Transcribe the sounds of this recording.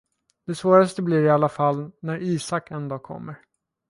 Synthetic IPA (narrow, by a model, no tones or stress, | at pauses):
d̪̥ɛsvoːɾast̪əbliɾɪalːafalːnæɾiːsakːɛnd̪ɑːkʰɔ̰mːəɾ